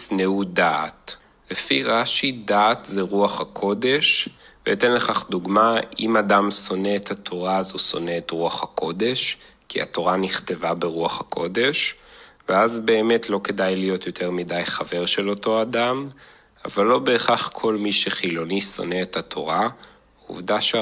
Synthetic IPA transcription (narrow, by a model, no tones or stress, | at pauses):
sneudat | lefiʁaʃidaːtzeʁuaχakʰo̞de̞ʃvḛitenleχaχduɡmaimadamso̞ne̞ːthatʰo̞ʁazuso̞̰ne̞ːtʁuaχhakʰo̞de̞ʃ | kʰḭa̰to̞ʁaniχte̞vabeʁuaχakʰo̞de̞ʃ | veazbe̞ːme̞tʰlo̞ke̞dajlijo̞t̪jo̞tʰe̞ʁmidajχave̞ʁʃe̞lo̞to̞adam | a̰valːo̞be̞ːχaχkʰo̞lmiʃeχilo̞niso̞̰ne̞ːthatʰo̞̰ʁa | ṵvdaʃ